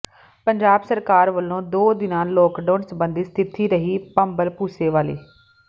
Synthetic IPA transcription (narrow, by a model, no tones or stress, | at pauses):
pəɲd͡ʒaːbsəɾkaːɾʋəlːõːd̪oːd̪ɪnãːloːkɖoːnsəbənd̪iːst̪ʰɪt̪iːɾəɦiːpəmbəlpuːseːʋaːlḛː